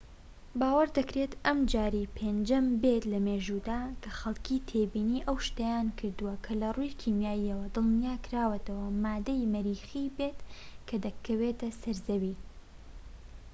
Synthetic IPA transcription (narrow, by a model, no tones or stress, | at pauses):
baːwɐɾd̪ɐkɾet̪ʔɐmd͡ʒaːɾipʰend͡ʒɐmbet̪lɐmeːʒud̪aːkʰɐxɐlˠkʰiːt̪ʰeːbiːniːʔɐwʃt̪ɐjaːnkʰɨɾd̪uwɐkʰɐlɐrujkʰimjaːjiɐwɐd̪ɨlnijaːkʰɾaːwɐt̪ʰɐwɐmaːd̪ɐjmɐɾiːxibet̪kʰɐd̪ɐkʰːɐweːt̪ɐsɐɾzɐwiː